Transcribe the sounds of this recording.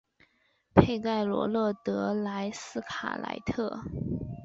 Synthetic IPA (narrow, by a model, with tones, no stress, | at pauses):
pʰe˥˧ɪka˥˩ɪlwɔ̰˧˥lɤ˥˩t̪ɤ˧˥la˧˥ɪsɹ̩˥˩kʰa̰˨˩la̰˧˥ɪt̪ʰɤ˥˩